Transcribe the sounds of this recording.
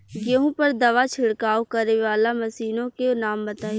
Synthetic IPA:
ɡeɦũpɐɾd̪ɐʋat͡ʃʰɪɽkaːokɐɾeʋaːlamɐsiːnõkenaːmbɐt̪aːi

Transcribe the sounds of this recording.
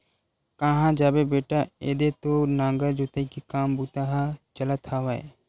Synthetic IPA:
kaɦãd͡ʒaːbebeːʈaeːd̪et̪onãːŋɡəɾd͡ʒot̪ekikaːmbuːt̪aɦat͡ʃɐlət̪ʰaːʋaḛ

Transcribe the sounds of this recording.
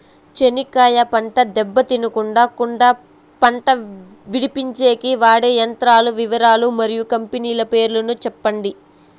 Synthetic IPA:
t͡ʃenikaːjɐpɐɳʈɐd̪ɛbːɐt̪inukuɳɖaːkuɳɖɐ | pɐɳʈɐ | ʋiɽipiɲt͡ʃe̞ːkiʋaːɽejɐnt̪ɾaːluʋiʋɐɾaːlumɐɾijukɐmpeniːlɐpe̞ːɾulɐnut͡ʃɛpːɐɳɖi

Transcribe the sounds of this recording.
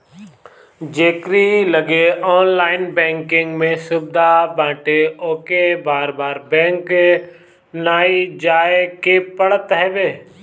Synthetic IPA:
d͡ʒeːkɾiləɡeɔːnlaːɪnbɛ̃ːŋkɪ̃ŋɡmẽsʊbd̪ʱabãːʈeoːkebaːɾbaːɾbɛ̃ːŋk | naːid͡ʒaːekepəɽət̪ɦɛːbeː

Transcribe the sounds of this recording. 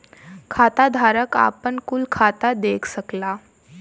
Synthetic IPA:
kʰat̪ad̪ʱaɾəka̰pəɳkulkʰat̪ad̪ekʰsəkla

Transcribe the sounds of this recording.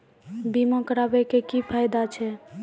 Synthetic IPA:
bimɔ̃kəɾabɛkekipʰajd̪at͡ʃʰɛ

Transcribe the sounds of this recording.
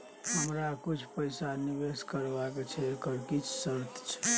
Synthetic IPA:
ɦəmɾakut͡ʃʰpəɪsanibeskəɾbaket͡ʃʰɛkəɾkit͡ʃʰsəɾt̪ʰt͡ʃʰɛ̥

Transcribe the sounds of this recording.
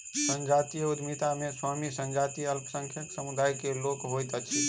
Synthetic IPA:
sənd͡ʒat̪ijud̪mit̪ameswamisənd͡ʒat̪iəlpʰsəŋkʰjəksəmud̪ajkelokɦojt̪t͡ʃʰi

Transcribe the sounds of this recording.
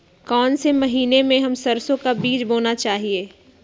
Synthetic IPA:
kɔːnsemɐɦiːnemẽɦɐmsɐɾsõkabiːd͡ʒboːnat͡ʃaːɦieː

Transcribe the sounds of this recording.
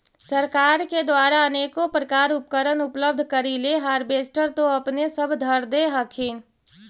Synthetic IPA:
səɾkaːɾked̪waːɾaəneːkopɾəkaːɾʊp̚kəɾənʊpləb̚d̪ʱkəɾileɦaːɾbeːsʈəɾt̪oɐpnesəbʱd̪ʱəɾd̪eɦəkʰeːn

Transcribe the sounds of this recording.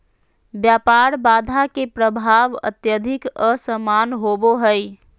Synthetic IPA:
bjapaɾbad̪ʱakepɾəbʱaʋə̰t̪jəd̪ʱɪkəsəmanɦoboɦəj

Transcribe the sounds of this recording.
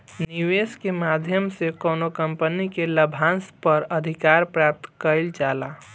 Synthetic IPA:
niweskemad̪ʱjəmsekoːnokəmpənikeləbʱãnspəɾəd̪ʱikaɾpɾap̚t̪kəɪld͡ʒaːla

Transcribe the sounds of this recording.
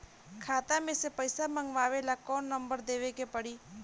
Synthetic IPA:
kʰaːt̪amẽsepəɪsamə̃ŋɡʋaːʋelakɔːnːə̃mbəɾd̪eːʋekepəɽiː

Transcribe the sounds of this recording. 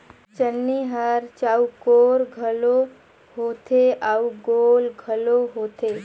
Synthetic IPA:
t͡ʃənːiɦəɾt͡ʃaukoɾɡʱəlo | ɦoːt̪ʰeʔauɡolɡʱəloɦoːt̪ʰe

